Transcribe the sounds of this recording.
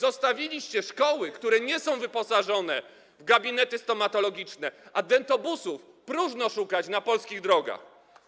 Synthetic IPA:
zɔst̪avʲilʲiɕt͡ɕɛʂkɔwɘkt̪uɾɛɲɛsɔ̃w̃vɘpɔsaʐɔnɛ | vɡabʲinɛt̪ɘst̪ɔmat̪ɔlɔɡʲit͡ʂnɛʔad̪ɛnt̪ɔbusuf | pɾuʐnɔʂukat͡ɕnapɔlskʲiɣd̪ɾɔɡa̰x

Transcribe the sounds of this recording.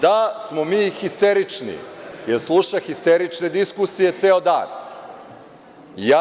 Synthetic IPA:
d̪asmomiːxist̪eɾit͡ʂnḭjeɾslˠuʃaxist̪eɾit͡ʃne̞d̪iskusije̞t̪seːod̪a̰ːn | jaː

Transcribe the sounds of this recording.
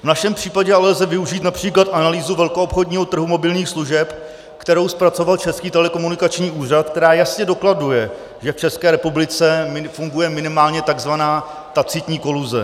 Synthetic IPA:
vnaʃɛmpr̥iːpaɟɛalɛlzɛvɪuʒiːt̪napr̝̥iːklat̪ʔanaliːzuvɛlko̞opxodɲiːɦot̪r̩ɦumo̞bɪlɲiːxsluʒɛp | kt̪ɛɾo̞wspɾat͡so̞valt͡ʃɛskiːt̪ɛlɛko̞munɪkat͡ʃɲiːʔuːr̝at̪̚k̚t̪ɛɾaːjasɲɛdo̞kladujɛ | ʒɛft͡ʃɛskɛːɾɛpublɪt͡sɛmɪfuŋɡujɛmɪnɪmaːlɲɛt̪aɡzvanaː | t̪at͡sɪt̪ɲiːko̞luzɛ̰

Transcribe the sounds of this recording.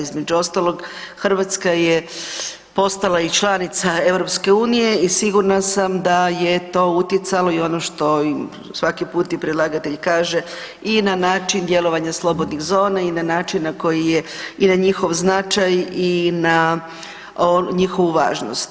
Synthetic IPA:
izme̞d͡ʒuo̞st̪alo̞ɡxr̩ʋat̪skaje | po̞st̪alait͡ʃlˠanit̪sae̞ʋɾo̞pske̞uːnije̞isiɡuɾnasamd̪ajet̪o̞ut̪jet̪salo̞io̞noʃt̪o̞im | sʋakipuːt̪ipɾilˠaɡat̪e̞ʎkaːʒe̞ | inanaːt͡ʃind̪je̞lo̞ʋaɲaslˠo̞bo̞d̪nixzo̞ːnainanaːt͡ʃinːako̞jijeinaɲixo̞ʋznat͡ʃajina | oɲixo̞ʋuʋa̰ːʒno̰st̪

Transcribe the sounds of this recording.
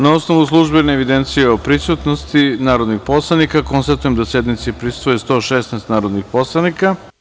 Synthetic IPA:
nao̞sno̞ʋuslˠuʒbeneːʋid̪ent̪sijeopɾisut̪nost̪inaːɾo̞d̪nixpo̞slˠanikako̞nst̪at̪uje̞md̪asjed̪nit̪sipɾisu̥t̪ojest̪o̞ːʃesnɛst̪naːɾo̞d̪nixpo̞slˠanika

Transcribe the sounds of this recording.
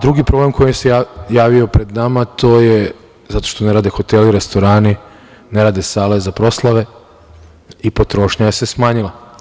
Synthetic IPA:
d̪ɾuɡipɾo̞ble̞mkʰo̞jimeseajaːʋio̞pɾe̞d̪namat̪o̞ːje | zat̪o̞̥ʃt̪o̞ne̞ɾaːd̪exo̞t̪eliɾe̞st̪o̞ɾaːni | ne̞ɾaːd̪e̞saːle̞zapɾo̞slˠaʋe̞ | ipo̞t̪ɾo̞ʃɲajese̞smaːɲilˠa

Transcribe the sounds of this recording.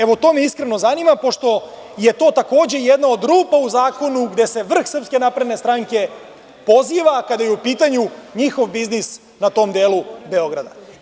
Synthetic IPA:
eʋot̪o̞meiskɾeno̞zaniːmapo̞ʃt̪o̞ | je̞t̪o̞ːt̪ako̞ːd͡ʑe̞jed̪nao̞d̪ɾuːpauzaːko̞nuɡd̪e̞se̞ʋr̩xsər̩pske̞napɾed̪ne̞st̪ɾaŋke̞ | po̞ziːʋakad̪ajeupiːt̪aɲuɲixo̞ʋbiznis | nat̪o̞md̪eːlube̞o̞ɡɾa̰d̪a̰

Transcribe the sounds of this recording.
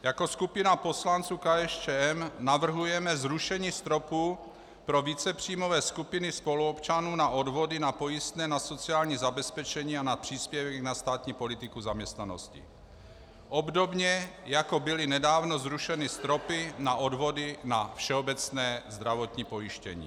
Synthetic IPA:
jako̞skupɪnapo̞slant͡suːkaɛʃt͡ʃɛːɛmnavr̩ɦujɛmɛzɾuʃɛɲiːst̪ɾo̞puː | pɾo̞viːt͡sɛpr̝̥iːmo̞vɛːskupɪnɪspo̞luopt͡ʃanuːnaʔo̞dvo̞dɪnapo̞jɪst̪nɛːnaso̞t͡siaːlɲiːzabɛspɛt͡ʃɛɲiːanapr̝̥iːspjɛvɛɡnast̪aːt̪ɲiːpo̞lɪt̪ɪkuzamɲɛst̪nano̞̰scɪ̰ | ʔo̞bdobɲɛjako̞bɪlɪnɛdaːvno̞zɾuʃɛnɪst̪ɾo̞pɪnaʔo̞dvo̞dɪnafʃɛobɛt͡snɛːzd̪ɾavo̞t̪ɲiːpo̞jɪʃcɛ̰ɲḭː

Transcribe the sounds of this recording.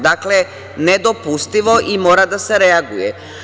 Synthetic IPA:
d̪akle | ned̪opust̪iʋoʔimoːɾad̪aseɾeaɡujɛ

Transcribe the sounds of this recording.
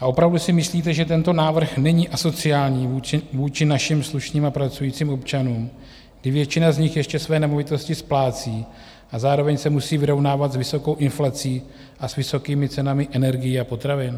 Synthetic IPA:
ʔaʔo̞pɾavdusɪmɪsliːt̪ɛʒɛt̪ɛnt̪o̞naːvr̩xnɛɲiːʔaso̞t͡sɪaːlɲiːvuːt͡ʃɪvuːt͡ʃɪnaʃɪmsluʃɲiːmapɾat͡sujiːt͡siːmʔo̞pt͡ʃanuːm | ɡdɪvjɛt͡ʃɪnazɲɪxjɛʃcɛsvɛːnɛmo̞vɪt̪o̞scɪsplaːt͡siː | ʔazaːɾo̞vɛɲsɛmusiːvɪɾo̞vnaːvat̪zvɪso̞ko̞wʔɪnflat͡siː | ʔasvɪso̞kiːmɪt͡sɛnamɪʔɛnɛɾɡɪjiapo̞t̪ɾavɪn

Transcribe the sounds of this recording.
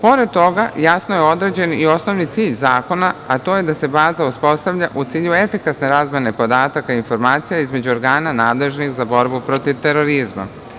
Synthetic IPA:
po̞ɾe̞d̪̚t̪o̞ɡajasnoje̞o̞d̪ɾe̞ːd͡ʑe̞nio̞sno̞ʋnit̪siːʎzaːko̞naat̪o̞je̞d̪ase̞baːzauspo̞st̪aʋʎaʔut̪siːʎue̞fikasne̞ɾaːzmʲje̞ne̞po̞d̪aːt̪akainfo̞ɾmaːt̪sijaizme̞d͡ʑuoɾɡaːnanaːd̪le̞ʒnixzabo̞ɾbupɾo̞t̪iʋt̪e̞ɾo̞ɾizma̰

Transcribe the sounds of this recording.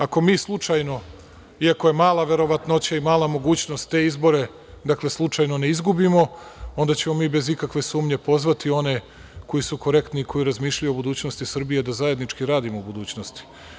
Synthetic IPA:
ako̞miːslˠut͡ʂajno̞ | iako̞je̞maːlˠaʋe̞ɾo̞ʋat̪no̞t͡ɕaimaːlˠamo̞ɡuːt͡ɕno̞st̪ːe̞izbo̞ɾe̞ | d̪akle̞slˠut͡ʂaːjno̞ne̞izɡubimo̞o̞nd̪at͡ɕe̞mo̞miːbezikakʋe̞suːmɲe̞po̞zʋat̪io̞ne̞ | ko̞jisuko̞ɾe̞kt̪niːkʰo̞jiɾazmiːʃʎajubud̪uːt͡ɕno̞st̪isr̩bijed̪azaje̞d̪nit͡ʂkiɾaːd̪imoubud̪uːt͡ɕnost̪i̥

